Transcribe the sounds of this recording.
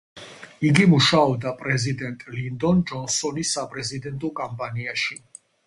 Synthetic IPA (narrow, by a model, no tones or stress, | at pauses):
iɡimuʃaɔbd̪apʼɾɛzid̪ɛnt̪ʼlind̪ɔnd͡ʒɔnsɔnisːapʼɾɛzid̪ɛnt̪ʼɔkʼampʼaniaʃi